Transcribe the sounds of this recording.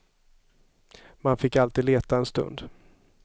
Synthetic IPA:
manfɪkːalt̪iːd̪leːt̪aɛnst̪ɵ̰nd̪

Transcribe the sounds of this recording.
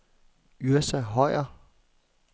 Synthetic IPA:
yɐsæɦɒɪ̰ɐ

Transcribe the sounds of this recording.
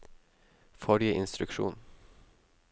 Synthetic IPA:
fɔɾɪəʔɪnst̪ɾʉkʃṵːn

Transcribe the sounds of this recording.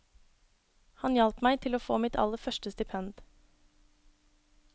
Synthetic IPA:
hɑnjɑlp̪mæɪt̪ʰɪloːfoːmɪt̪ʰɑ̰lːəɾfœʃʈəst̪ɪpʰɛnd̪

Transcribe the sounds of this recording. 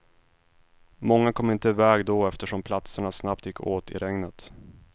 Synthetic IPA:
mɔŋːakʰɔmːɪnt̪əɪvɛːɡd̪ɔɛft̪əʂɔmpʰlat̪səɳasnap̚t̪jɪkʰːoːt̪ɪ̰ɾɛŋnət̪

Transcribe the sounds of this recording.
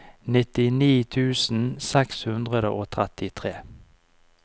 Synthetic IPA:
nɪt̪ɪniːt̪ʰʉːsn̩sɛkshʉnd̪ʁəd̪əʔoːt̪ʰʁɛt̪ɪt̪ʰʁeː

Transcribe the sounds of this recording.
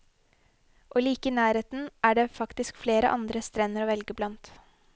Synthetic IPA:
ʔoːliːkəiːnæːɾeːt̪n̩ʔæːɖeːfɑkt̪ɪskfleːɾə̰ʔɑnd̪ɾəst̪ɾɛnːəɾoːʋɛlɡəblɑnt̪

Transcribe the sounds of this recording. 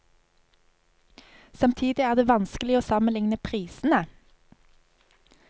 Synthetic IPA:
sɑmt̪ʰiːd̪ɪæːʁd̪eːʋɑnskəlɪoːsɑmənlɪŋnəpʰʁiːsn̩ə

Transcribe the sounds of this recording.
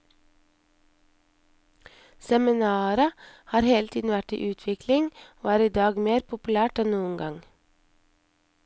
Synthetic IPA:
sɛmɪnɑːɾəhɑːɾheːlt̪ʰiːdn̩ʋæʈḭːʔʉːt̪ʰʋɪklɪŋoːæːɾiːd̪ɑːɡmeːɾpʰʊpʉlæːʈɛnnuːənɡɑŋ

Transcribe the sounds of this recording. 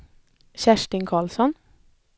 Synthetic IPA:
çæʃʈɪŋkʰɑːlsɔn

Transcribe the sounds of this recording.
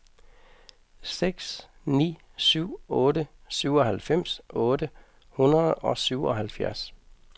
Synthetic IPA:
seɡ̥s | nḭː | syʊ̰ɔːdəsyʊ̰ɒ̽hælfem̰sʔɔːd̥ə | hunɐð̩ˠɒ̽syʊ̰ɒ̽ɦælfjæɐs

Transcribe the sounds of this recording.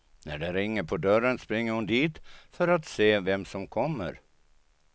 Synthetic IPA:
næɖɛɾɪŋːəɾpʰɔd̪œɾənspɾɪŋːəɾhʊnd̪iːt̪fœɾat̪seːvɛmsɔmkʰɔmːə̰ɾ

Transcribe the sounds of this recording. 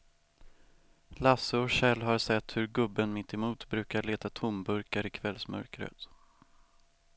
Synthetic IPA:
lasəɔɕɛlɦaɾsɛt̪ːhɵɾɡɵbːənmɪt̪ʰːɪmuːt̪bɾʉ̟ːkaɭeːt̪at̪ʰʊmbɵɾkaɾɪkʰvɛlsmœ̰ɾkɾə̰t̪

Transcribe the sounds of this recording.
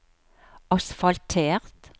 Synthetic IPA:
ɑsfɑlt̪ʰeːʁt̪

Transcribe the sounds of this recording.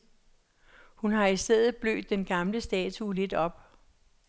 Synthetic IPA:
hunɦɑ̈isd̥eð̰ˠð̩ˠb̥lø̰ːd̥ːenɡ̥ɑ̈mləsd̥ɛ̰ːt͡sʰule̝d̥ɒ̽b̥̚

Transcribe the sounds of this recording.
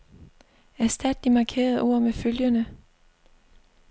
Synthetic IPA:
æɐsd̥æd̥d̥imɑ̈ːkʰe̝̰ːɐð̩ˠʔo̝ɐ̰meføljənə

